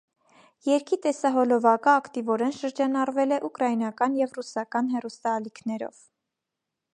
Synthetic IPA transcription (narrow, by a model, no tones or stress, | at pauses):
jɛɾkʰit̪ɛsɑɦɔlɔvɑkəːkt̪ivɔɾɛnʃəɾd͡ʒɑnɑrvɛlɛʔukɾɑjinɑkɑnjɛvrusɑkɑnɦɛrust̪ɑːlikʰnɛɾɔ̰v̥